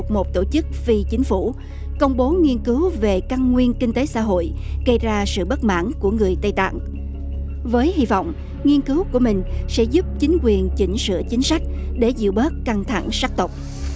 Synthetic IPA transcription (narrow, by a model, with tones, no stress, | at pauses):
t̚mo˨˩t̚t̪o˧˩t͡ɕɨ˦˥k̚vi˧t͡ɕï˨˦ŋ̟fu˧˩ | kə˧wŋ͡mɓo˨˦ŋi˧ənkɨ˨˦wve˨˩ka˧nŋwi˧ənkï˧ŋ̟t̪e˨˦sa̰ː˧˥ɦo̰˧˨j | ɣə˧jzaː˧sɨ̰˧˨ɓə˦˥t̚ma̰ː˧˥˨nku˧˩əŋɨ˨˩əjt̪ə˧jt̪a̰ː˧˨ŋ | vəː˨˦jhi˧vɔ̰˧˨wŋ͡m | ŋi˧ənkɨ˨˦wku˧˩əmï˨˩ŋ̟sɛ̰˧˥zu˦˥p̚t͡ɕï˨˦ŋ̟kwi˨˩ənt͡ɕï˨˦ŋ̟sɨ̰˧ət͡ɕï˨˦ŋ̟sa˦˥k̟̚ɗe˧˩zḭ˧˨wɓəː˦˥t̚ka˧ŋt̪ʰa˧˩ŋsaː˦˥k̚t̪ə˨˩wk͡p̚